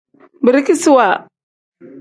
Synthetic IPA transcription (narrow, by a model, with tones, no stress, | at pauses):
bi˨ɾi˦ki˦su˦wa˨